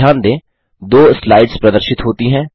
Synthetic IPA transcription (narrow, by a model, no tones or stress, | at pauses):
jaːnd̪ẽː | d̪oːslaːɪɖzpɾɐd̪əɾʃɪt̪ɦoːt̪iɦɛ̃ː